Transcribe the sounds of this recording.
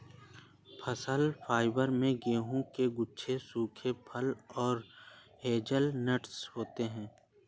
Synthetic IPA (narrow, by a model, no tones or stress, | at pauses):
pʰəsəlfʰaːɪbəɾmẽɡeːɦũkeɡʊt͡ʃʰesuːkʰepʰəlɔːɾ | heːd͡ʒəlnəʈshoːt̪eɦɛ̃ː